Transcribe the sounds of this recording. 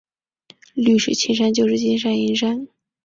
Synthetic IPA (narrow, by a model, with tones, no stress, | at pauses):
ly˥˩ʂɻ̩˨˩t͡ɕʰi˥nʂ̬a˥nt͡ɕjo˥˧ʊʂɻ̩˥˩t͡ɕi˥nʂ̬a˥ni˧˥nʂa˥n